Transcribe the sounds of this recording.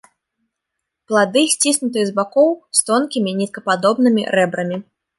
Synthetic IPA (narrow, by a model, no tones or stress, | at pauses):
plˠad̪ɨsʲt͡sʲisʲnʲut̪ɨjɐzbakɔwst̪ɔnkʲimʲinʲɛt̪̚kɐpad̪ɔbnɨmʲḭɾɛbɾɐmʲi